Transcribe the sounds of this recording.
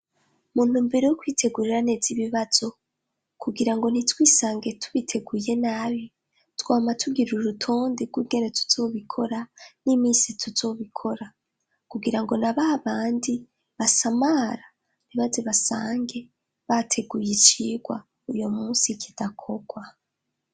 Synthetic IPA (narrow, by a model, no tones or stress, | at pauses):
mun̥huːmbeɾejokwiːtʰe̞ɡuɾiɾane̞ziβiβaz̥o̞ | kuɡiɾaŋɡo̞n̥itwiːsaːŋɡe̞tʰu̥βitʰe̞ɡuje̞naːβi | twaːmatʰuɡiɾuɾutʰoːndiɡwuɡe̞ɾetʰu̥z̥o̞βikʰo̞ɾanimiːsitʰuz̥o̞ːβikʰo̞ɾa | kuɡiɾaŋɡo̞naβaβaːndi | βasamaɾa | βiβazeβasa̰ːŋɡe̞ | βatʰe̞ɡujit͡ʃiːɡwa̰ | ujo̞muːsikʰidakʰo̞ɡ̥wa